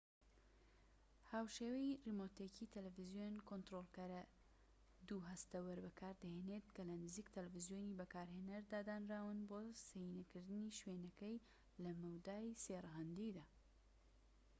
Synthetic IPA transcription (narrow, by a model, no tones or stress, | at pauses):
haːwʃeːwɐjrimot̪ekit̪ʰɐlɐvizjonkʰont̪ɾolˠkɐɾɐ | d̪uɦɐst̪ɐwɐɾbɐkʰaːɾd̪ɐhenet̪kɐlɐnɨziːkt̪ʰɐlɐvɨzjoːnibɐkaːɾhenɐɾd̪aːd̪aːnraːwɨnboːsɐjinɐkɨɾd̪ɨniʃwenɐkɐj | lɐmɐwd̪aːjseːrɐɦɐnd̪ijd̪aː